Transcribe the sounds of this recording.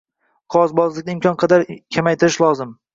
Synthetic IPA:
qʰɒzbɒzlˠɪk̚ʲd̪aɪmkʰʲɒnqʰɑd̪aɾkʲʰamajt̪ɪɾɪʃlˠɒzɪm

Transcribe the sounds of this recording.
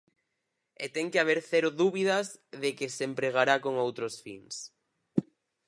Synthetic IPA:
et̪ɛŋkeaβ̞eɾθɛɾʊðuβiðɐzðekesempɾeɣ̞aɾakoŋowt̪ɾosfḭŋs

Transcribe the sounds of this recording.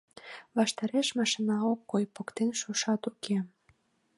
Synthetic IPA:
βɑʃt̪ɑɾeʃmɑʃinɑokːojpokt̪enʃuʃɑt̪ukʰe

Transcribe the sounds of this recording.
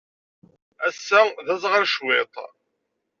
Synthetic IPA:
æsːæðæzˤʁəɾʃwet̪ˤ

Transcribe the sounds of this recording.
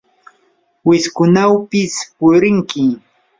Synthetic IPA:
wɪskʊnawpɪspʊɾɪŋkɪ

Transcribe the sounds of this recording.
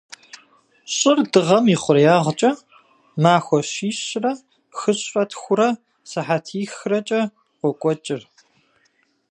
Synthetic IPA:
ɕʼɪrdɨʁɐmiːχʷʊrjaːʁt͡ʃʼɐ | maːxʷɔɕiːɕrɐ | xɨɕʷʼɐtʰxʷʊɾɐ | sɨħatʰiːxrɐt͡ʃʼɐ | qʷɔkʷʼɔt͡ʃʼɪr

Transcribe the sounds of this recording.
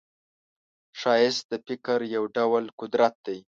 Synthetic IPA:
ʃɑjɪst̪̚d̪əfɪkaɾjawɖawlkʊd̪ɾat̪̚d̪aj

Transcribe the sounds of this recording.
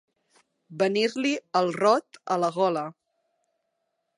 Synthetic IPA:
bəniɾliəlˠrɔt̪ələɣɔlə

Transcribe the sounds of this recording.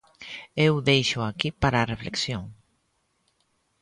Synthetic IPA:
ewðejʃʊakipaɾaːrefleksjoŋ

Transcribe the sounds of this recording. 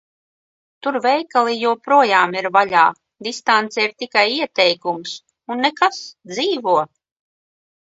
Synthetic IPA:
t̪uɾvɛjkalˠijuɔpɾuɔjaːmiɾvaʎʲa̰ː | d̪ist̪ant̪sɛiɾt̪ikajiɛt̪ɛjkums | unːekasd̪ziːvuɔ

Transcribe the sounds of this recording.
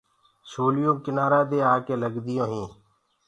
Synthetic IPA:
soːlɪjõːkɪnaːɾãːd̪eːaːkeːləɡd̪ɪjõːɦĩː

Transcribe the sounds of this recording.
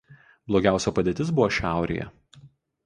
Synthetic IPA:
blˠoːɡʲæˑʊsʲopɐd̪ʲeːt̪ʲɪsbʊʋoːʃʲæˑʊɾʲḛːjɛ̰

